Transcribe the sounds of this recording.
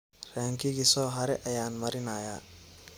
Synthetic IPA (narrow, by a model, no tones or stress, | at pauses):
raːŋkʰɪɣisɔːɦɐɾɛʔɐjaːnmɐɾɪnɐːja̰ː